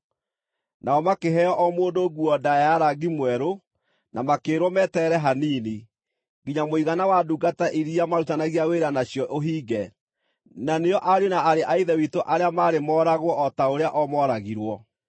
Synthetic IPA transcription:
naɔmakeɦɛjɔʔɔmoːndoɣuɔdajaɾaɡimwɛɾo | nʔamakeːɾwɔmɛtɛɾɛɦaniːni | ɡiɲamoiɣanawaduɡataʔiɾiamaɾutanaɣiaweɾanaɕjɔʔoɦiːɡɛ | naneɔʔaɾjonaaɾeʔaiðɛwitoʔaɾeamaːɾemɔːɾaɣwɔʔɔtaoɾeaʔɔmɔɾaɣiɾwɔ

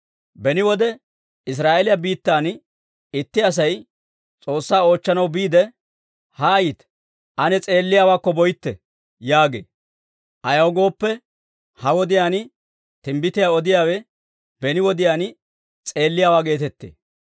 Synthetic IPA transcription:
bɛnɪwɔd̪ɛ | ɪs̬ɾaːʔelɪjɐbiːt̪ːaːn | ɪt̪ːɪɐs̬ɐj | t͡sʼo̞ːsːaːo̞ːt͡ʃːɐnɐwbiːd̪ɛ | hɐːjiːt̪ | ʔɐnɛt͡sʼe̞ːlːɪjaːwaːkːɔbɔjɪt̪ːɛ | jaːɡḛː | ʔɐjɐwɡo̞ːpːɛ | hɐwɔd̪ɪjaːnɪ | t̪ɪmbɪt̪ɪjaːɔd̪ɪjaːwɛ | bɛnɪwɔd̪ɪjaːn | t͡sʼe̞ːlːɪjaːwaːɡe̞ːt̪ɛt̪ːḛː

